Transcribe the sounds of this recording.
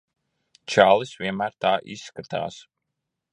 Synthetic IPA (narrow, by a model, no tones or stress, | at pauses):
t͡ʃaːlˠisvʲiɛmæːɾt̪aːʔisːkat̪a̰ːs